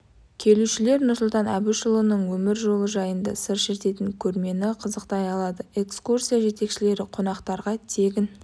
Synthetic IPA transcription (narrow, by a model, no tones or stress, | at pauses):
kʲʰe̞luʃɪle̞ɾnʊɾsʊlˠt̪ɑnæbuʃəlˠənəɴwɵmɪɾʒo̞lˠəʒɑjənd̪ɑ̰səɾʃeɾt̪e̞t̪ɪŋkʲʰɵɾme̞nɪqʰəzəqt̪ɑjɑlˠɑd̪əe̞kskursijaʒe̞t̪e̞kʃɪle̞ɾɪqʰo̞nɑqt̪ɑɾʁɑt̪ʰe̞ɡʲɪn